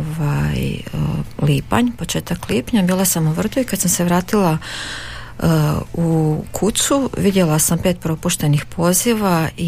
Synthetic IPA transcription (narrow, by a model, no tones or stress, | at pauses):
ʋaj | liːpa̰ɲpot͡ʃe̞ːt̪akliːpɲabiːlˠasamuʋr̩d̪uikad̪samse̞ʋɾaːt̪ila | ukʰusuʋid̪jelasampet̪̚pɾo̞puʃt̪e̞nixpʰo̞ːziʋai